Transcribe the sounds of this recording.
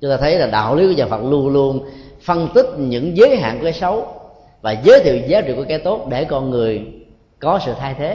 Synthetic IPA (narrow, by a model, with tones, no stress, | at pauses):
t͡ɕʊ˨˦ŋ͡mt̪aː˧t̪ʰə˨˦jlaː˨˩ɗa̰ː˧˨wli˨˦ku˧˩˦zaː˨˩fə˨˩t̚lu˧ənlu˧ənfə˧nt̪ï˦˥k̟̚ɲɨ̰˧˥ŋzəː˨˦jɦa̰ː˧˨ŋku˧˩˦kaː˨˦sə˨˦w | vaː˨˩zəː˨˦jt̪ʰḭ˧˨wzaː˨˦tt͡ɕḭ˨ku˧˩kaː˨˦jt̪o˦˥t̚ɗe˧˩kɔ˧nŋɨ˨˩əj | kɔ˨˦sɨ̰˧˨t̪ʰaː˧jt̪ʰe˨˦